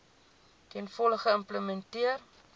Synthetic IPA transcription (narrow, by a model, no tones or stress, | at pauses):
tɛnfɔləχəəmpləmɛntiər